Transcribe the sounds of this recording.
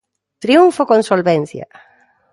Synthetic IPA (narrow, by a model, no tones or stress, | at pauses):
t̪ɾiuɱfokonsolβɛn̟θja̰